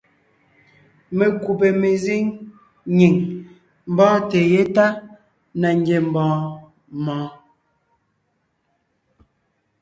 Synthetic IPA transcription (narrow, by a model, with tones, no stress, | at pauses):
me˨ku˨p̬e˨me˨zi˦ŋ | ɲi˨ŋ | m̩˨bɔː˦te˨je˦ta˦ | na˨ŋ˦ɡe˨m̩˨bɔ̃ː˨˦ | mɔ̃ː˨˦